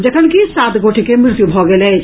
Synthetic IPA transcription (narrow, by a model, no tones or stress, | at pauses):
d͡ʒəkʰənkisaːt̪ɡoːʈʰikemɾɪɾt̪jubʱɔɡele